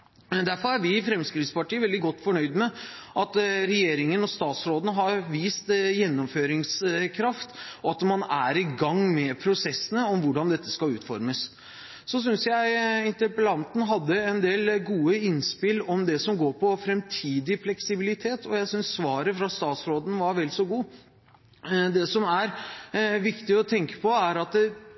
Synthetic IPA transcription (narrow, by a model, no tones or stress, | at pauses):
md̪æɾfɔɾæɾʋɪfɾɛmskɾɪt̪spɑʈiːəʋɛld̪ɪɡɔt̪ːfɔɳœʏd̪mɛ | ʔɑt̪ɾɛjeːɾɪŋənɔst̪ɑːt̪sɾoːd̪ənəɦɑɾʋiːst̪jɛnːɔmføːɾɪŋskʰɾɑft̪ɔɑt̪mɑnæɾɪɡɑŋːmɛpʰɾʊsɛsːənəɔmʋʊɖɑnd̪ɛt̪ːəskɑlʉːt̪fɔ̰ɾməs | sɔs̬ʏnsjæɪɪnt̪əɾpəlɑnt̪n̩ɦɑd̪ːəɛnd̪eːlɡuːəɪnspɪlːɔmd̪ɛsɔmɡoːɾpʰɔfɾɛmt̪ʰiːd̪ɪflɛksɪbɪlɪt̪ʰeːt̪ʰɔjæɪsʏnsːʋɑːɾəfɾɑst̪ɑːt̪sɾoːd̪nʋɑɾʋɛlsɔɡuː | d̪ɛsɔmæɾʋɪkt̪ɪɔt̪ʰɛŋkə̥pʰɔæɾɑt̪